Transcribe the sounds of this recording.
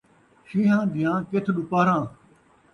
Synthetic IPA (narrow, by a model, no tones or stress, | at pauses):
ʃiːɦãːd̪ʱɪjãːkɪt̪ʰɗʊpaːɾãː